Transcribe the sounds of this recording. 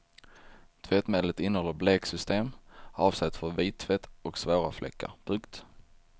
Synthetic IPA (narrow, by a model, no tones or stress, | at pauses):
t̪ʰvɛt̪meːd̪lət̪ɪnːəhɔlːəɾbleːksʏst̪eːmɑːvsɛt̪ːfœɾviːt̪ʰːfɛt̪ːɔksvoːɾaflʔɛ̰kʰːə̰ɾpʰɵŋkt̪